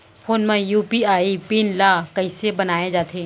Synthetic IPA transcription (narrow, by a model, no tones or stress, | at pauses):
fʰoːnmẽjuːpiaːipinlaːkɐɪsebɐnaːed͡ʒaːt̪ʰeː